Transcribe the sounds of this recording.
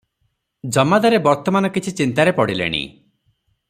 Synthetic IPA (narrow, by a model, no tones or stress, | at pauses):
d͡ʒɔmad̪aɾebɔɾt̪ɔmanɔkit͡ʃʰit͡ʃint̪aɾepɔɽilḛɽ̃ḭ